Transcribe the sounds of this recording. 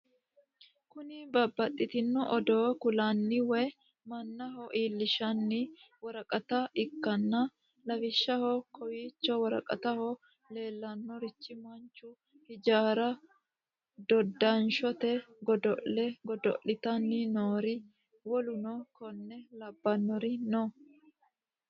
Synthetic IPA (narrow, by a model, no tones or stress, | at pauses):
kʊnɪbɐbːɐt̪ʼːɪt̪ɪnːɔʔɔd̪oːkʊlɐnːɪwɛ | mɐnːɐɦɔʔiːlːɪʃɐnːɪ | wɐɾɐkʼɐt̪ɐɪkːɐnːɐ | lɐfɪʃːɐhɔkɔwiːt͡ʃːɔwɐɾɐ̰kʼɐ̰t̪ɐhɔ | le̞ːlːɐnːɔɾɪt͡ʃːɪmɐnt͡ʃːʊ | hɪd͡ʒaːɾɐ | d̪ɔd̪ːɐnʃɔt̪ɛɡɔd̪ɔʔɛɡɔd̪ɔ̰ʔːɪt̪ɐnːɪnoːɾɪ | wɔlʊnɔkɔnːɛlɐbːɐnːɔɾɪnɔ